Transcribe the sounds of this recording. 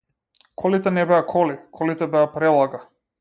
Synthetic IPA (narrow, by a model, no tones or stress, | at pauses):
kʰɔlit̪ɛnɛbɛakʰɔlikʰɔlit̪ɛbɛapɾɛlˠaɡa